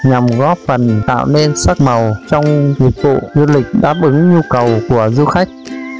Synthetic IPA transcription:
ɲa˨˩mɣɔ˦˥p̚fə˨˩nt̪a̰ː˧˨wne˧nsa˦˥k̚ma˨˩wt͡ɕɔ˧wŋ͡mɲi˨˩ət̚vṵ˧˨zu˧lï˨˩k̟̚ɗa̰ː˦˥p̚ʔɨ˨˦ŋɲu˧kə˨˩wku˧˩əzɨ˧xa˦˥jk̟̚

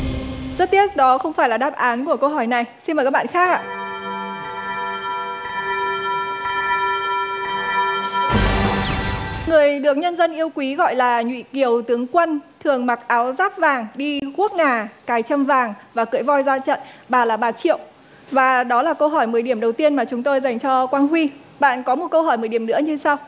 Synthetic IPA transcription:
zə˦˥t̚t̪i˦˥ət̚ɗɔ˨˦xə˧wŋ͡mfaː˧˩jlaː˨˩ɗaː˦˥p̚ʔaː˨˦nku˧˩əkə˧wɦɔ˧˩jna˨˩jsi˧nmə˨˩kaː˦˥ɓa̰ː˧˨˧xaː˦˥k̚ʔa̰ː˧˨ | ŋɨ˨˩əjɗɨ˨˩ək̚ɲə˧nzə˧nʔi˧əwkwi˨˦ɣɔ̰˧˨jlaː˨˩ɲwḭ˧˨ki˨˩əwt̪ɨ˨˦əŋkwə˧nt̪ʰɨ˨˩əŋma˨˩k̚ʔaː˨˦wzaː˦˥p̚vaː˨˩ŋɗi˧ku˦˥ək̚ŋaː˨˩kaː˨˩jt͡ɕə˧mvaː˨˩ŋvaː˨˩kɨ̰˧˥˨jvɔ˧jzaː˧t͡ɕə̰˧˨nɓaː˨˩laː˨˩ɓaː˨˧˩t͡ɕḭ˧˨əw | vaː˨˩ɗɔ˨˦laː˨˩kə˧wɦɔ˧˩jmɨː˨˩jɗi˧˩əmɗə˨˩wt̪i˧ənmaː˨˩t͡ɕʊ˨˦ŋ͡mt̪o˧jza˨˩jŋt͡ɕɔ˧kwaː˧nɦwi˧ | ɓa̰ː˧˨nkɔ˨˦mo˨˩t̚kə˧wɦɔ˧˩jmɨː˨˩jɗi˧˩əmnɨ̰˧˥əɲɨ˧saː˧w

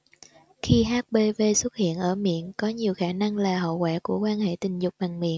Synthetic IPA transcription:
xi˧ɦaː˦˥t̚ɓe˧ve˧swə˦˥t̚hḭ˧˨ənʔəː˧˩mḭ˧˨ənkɔ˨˦ɲi˨˩əwxaː˧˩na˧ŋlaː˨˩ɦə̰˧˨kwaː˧˩ku˧˩əkwaː˧nhḛ˧˨t̪ï˨˩ŋ̟zʊ˨˩k͡p̚ɓa˨˩ŋmḭ˧˨ən

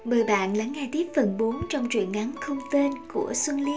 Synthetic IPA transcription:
ɓəː˨˩jɓa̰ː˧˨nla˨˦ŋːaː˧jt̪i˦˥p̚fə˨˩nɓo˨˦nt͡ɕɔ˧wŋ͡mt͡ɕwḭ˧˨ənŋa˨˦nxə˧wŋ͡mt̪e˧nku˧˩əswə˧nli˧

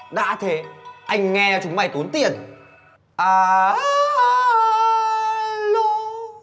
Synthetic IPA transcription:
ɗa̰ː˧˥t̪ʰe˨˦ʔa˧jŋ̟ŋɛ˧t͡ɕʊ˨˦ŋ͡mma˧˩jt̪u˨˦ənt̪i˨˩ən | ʔaː˨˩˧ | lo˧˥˦

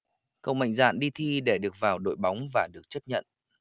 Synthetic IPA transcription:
kə̰˧˨wŋ͡mma̰˧˨jŋ̟za̰ː˧˨nɗi˧t̪ʰi˧ɗe˧˩ɗɨ˨˩ək̚vaː˨˩wɗo̰˧˨jɓa˨˦wŋ͡mvaː˨˩ɗɨ˨˩ək̚t͡ɕə˦˥t̚ɲə̰˧˨n

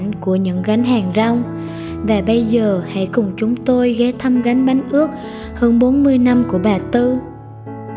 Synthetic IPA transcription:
ŋ̟ku˧˩əɲɨ̰˧˥ŋɣa˨˦jŋ̟ɦaː˨˩ŋza˧wŋ͡m | vaː˨˩ɓə˧jzəː˨˩ha̰˧˥jkʊ˨˩ŋ͡mt͡ɕʊ˨˦ŋ͡mt̪o˧jɣɛː˨˦t̪ʰə˧mɣa˨˦jŋ̟ɓa˨˦jŋ̟ʔɨ˦˥ək̚ | həː˧nɓo˨˦nmɨ˧əjna˧mku˧˩əɓaː˨˩t̪ɨ˧

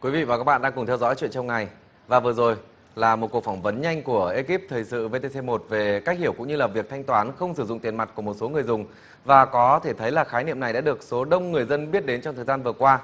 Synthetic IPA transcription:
kwi˨˦vḭ˧˨vaː˨˩kaː˦˥k̚ɓa̰ː˧˨ɗːŋkʊ˨˩ŋ͡mt̪ʰɛ˧wzɔ̰˧˥jt͡ɕwḭ˧˨ənt͡ɕɔ˧ŋ͡mŋa˨˩j | vaː˨˩vɨ˨˩əzo˨˩j | laː˨˩mo˨˩t̚kək̚fŋ͡mvə˨˦nɲa˧jŋ̟ku˧˩əʔe˧ki˦˥p̚t̪ʰəː˨˩jsɨ̰˧˨ve˧t̪e˧se˧mo˨˩t̚ve˨˩kaː˦˥k̚hi˧˩əwkʊ̰˧˥ŋ͡mɲɨ˧laː˨˩vi˨˩ək̚t̪ʰa˧jŋt̪waː˨˦nxə˧wŋ͡msɨ˧˩zʊ̰˧˨ŋ͡mt̪i˨ənma˨˩t̚ku˧˩əmo˨˩t̚so˨˦ŋɨ˨˩əjzʊ˨˩ŋ͡m | vaː˨˩kɔ˨˦t̪ʰe˧˩t̪ʰə˨˦jlaː˨˩xaː˨˦jnḭ˧˨əmna˨˩jɗa̰ː˧˥ɗɨ˨˩ək̚so˨˦ɗə˧wŋ͡mŋɨ˨˩əjzə˧nɓi˦˥ət̚ɗe˨˦nt͡ɕɔ˧ŋ͡mt̪ʰəː˨˩zaː˧nvɨ˨˩əkwaː˧

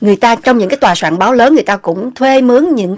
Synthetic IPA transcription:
ŋɨ˨˩əjt̪aː˧t͡ɕɔ˧wŋ͡mɲɨ̰˧˥ŋkaː˨˦jt̪waː˨˩swa̰ː˧˨nɓaː˨˦wləː˨˦nːŋɨ˨˩jt̪aː˧kʊ̰˧˥ŋ͡mt̪ʰwe˧mɨ˨˦ənɲɨ̰˧˥ŋ

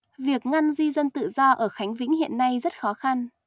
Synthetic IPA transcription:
vi˨˩ək̚ŋa˧nzi˧zə˧nt̪ɨ̰˧˨zɔ˧ʔəː˧˩xa˨˦jŋ̟vḭ˧˥ŋhḭ˧˨ənːa˧jzə˦˥t̚xɔ˨˦xa˧n

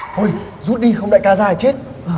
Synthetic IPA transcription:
tʰo˧˩j | zu˦˥t̚ɗi˧xə˧wŋ͡mɗa̰ː˧˥jkaː˨˧˦zaː˧˨˩jt͡ɕe˦˥t̚ | ʔ

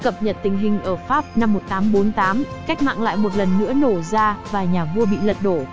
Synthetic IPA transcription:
kə˨˩p̚ɲə˨˩t̚t̪ï˨˩ŋ̟ɦï˨˩ŋ̟ʔəː˧˩faː˦˥p̚na˧mːo˨˩t̚t̪aː˨˦mɓo˨˦nt̪aː˨˦mka˦˥k̚ma̰ː˧˨ŋla̰ː˧˨jmo˨˩t̚lə˨˩nːɨ̰˧˥əno˧˩zaː˧vaː˨˩ɲaː˨˩vu˧əɓḭ˧˨lə˨t̚ɗo˧˩

